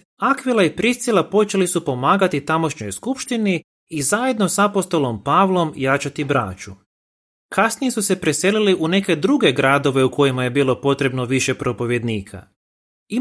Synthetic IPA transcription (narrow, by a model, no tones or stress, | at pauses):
akʋilˠaipɾist̪silˠapo̞t͡ʃe̞lisupo̞maːɡat̪it̪amo̞ʃɲo̞jskupʃt̪iniː | zaje̞d̪no̞sapost̪o̞lo̞mpaːʋlˠo̞mjaːt͡ʃat̪ibɾa̰ːt͡ʃu | kʰasnije̞suse̞pɾe̞se̞liliʔune̞ke̞d̪ɾuɡe̞ɡɾaːd̪o̞ʋe̞uko̞jimaje̞biːlˠo̞po̞t̪ɾe̞bno̞ʋiʃe̞pɾo̞po̞ʋje̞d̪niːkʰa̰ | i